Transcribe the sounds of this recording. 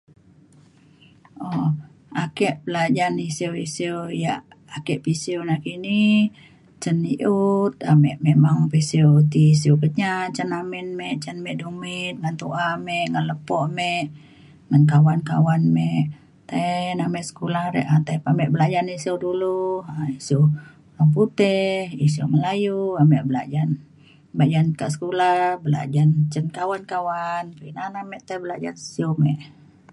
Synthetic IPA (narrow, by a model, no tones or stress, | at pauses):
ʔɔ | akɛʔbəlad͡ʒanisiəwisiowjaʔ | akɛʔpisiwnakini | t͡ʃənːiʔut̪̚amɛʔmeʔmaŋpisiut̪is̬iukəɲat͡ʃənaminmɛʔt͡ʃənmɛʔdumit̪̚ŋant̪uʔamɛʔŋanləpɔʔmɛʔ | ŋankawanka̰wanmɛʔ | t̪enamɛʔsə̥kulahɾɛ̰ʔat̪epamɛʔbəlad͡ʒanisiuduluaisio | aput̪ɛhisiuməlajuamɛʔbəla̰d͡ʒan | bəad͡ʒankaʔsə̥kulabəla̰d͡ʒant͡ʃənkawankawanpinanamɛʔt̪ebəlad͡ʒa̰ni̥siomɛʔ